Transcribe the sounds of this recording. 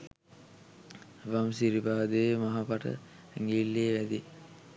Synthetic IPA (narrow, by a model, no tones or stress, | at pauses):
ʋamsiɾibaːd̪emaɦapaʈə̰ | ŋɡilːeːʋæd̪i